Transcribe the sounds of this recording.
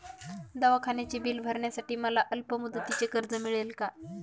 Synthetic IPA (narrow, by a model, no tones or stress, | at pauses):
d̪aʋakʰanjat͡ɕiːbiːlbʱəɾɳjasaʈiːməlaʔəlpəmud̪ət̪ːit͡sekəɾd͡zəmiɭelka